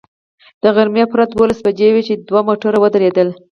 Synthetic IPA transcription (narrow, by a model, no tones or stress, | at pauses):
d̪̥əɣaɾmjɑpɾat̪̚d̪wolasbad͡ʒewet͡ʃed̪wamoʈaɾawəd̪əɾed̪əl